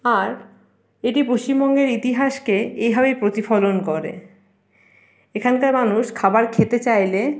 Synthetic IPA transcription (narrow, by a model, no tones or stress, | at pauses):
aɾ | eʈipoʃt͡ɕimbɔŋɡeɾit̪iɦaʃkeejbʱabepɾot̪ifɔlonkoɾḛ | ekʰankaɾmanuʃkʰabaɾkʰet̪et͡ɕajle